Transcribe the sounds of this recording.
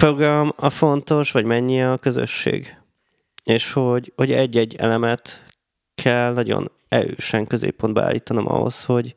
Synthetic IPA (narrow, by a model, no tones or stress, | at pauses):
pro̞ɡrɒmɒfo̞nt̪o̞ʃʋɒɟmɛɲːiɛɒkø̞zø̰ʃːḛːɡ | eːʃho̞ɟho̞ɟɛɟːɛɟːɛ̰lɛmɛt̪ | kʰɛlnɒɟo̞̰n | ɛløːʃɛŋkø̞zḛːpːond̪bɛ̰aːlːiːt̪ɒno̞mʔɒ̰ɦo̞̰sho̞ɟ